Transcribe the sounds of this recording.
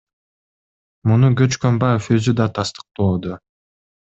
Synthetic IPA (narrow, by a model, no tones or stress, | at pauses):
munuɡø̞t͡ʃkømbɑjefø̞zyd̪ɑt̪ʰɑst̪ɯ̥q̚t̪oːd̪o